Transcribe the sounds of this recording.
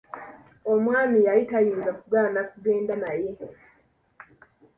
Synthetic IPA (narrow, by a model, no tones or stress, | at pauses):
omwaːmijaitajiːnzakuɡaːnakuɡeːndanaje